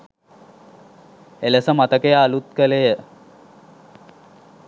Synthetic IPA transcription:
eləsəmat̪əkejaːlut̪̚kəlejə

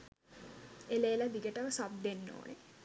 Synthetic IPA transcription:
eleːlad̪iɡəʈəʋəsab̚d̪enːo̰ːne

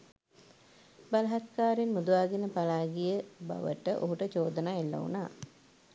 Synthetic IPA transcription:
balɐɦat̪kaːɾinmud̪uʋaːɡinəpalaːɡijəba̰ʋə̰ʈəʔoɦuʈət͡ʃoːd̪ənaːelːɐ̰ṵnaː

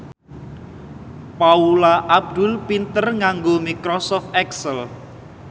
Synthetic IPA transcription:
paulaʔab̚d̪̥ʊlpint̪ərŋaŋɡomikɾɔsɔft̪ɛksəl

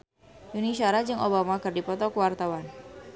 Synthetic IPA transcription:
juniʃaɾad͡ʒɨŋʔobamakɨrdipɔt̪ɔkəwart̪awan

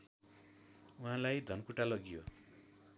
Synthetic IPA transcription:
uɦãlajd̪ʱʌnkuʈalʌɡijo

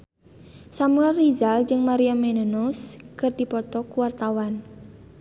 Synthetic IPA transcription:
samuɛlrizald͡ʒɨŋmaɾiamenənuskɨrd̥ipɔt̪ɔkuwart̪awan

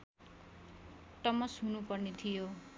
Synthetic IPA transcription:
ʈʌmʌsɦunupʌrnet̪ʰijo

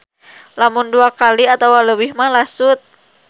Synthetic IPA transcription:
lamunduakaliat̪awaləbihmalasut̪̚

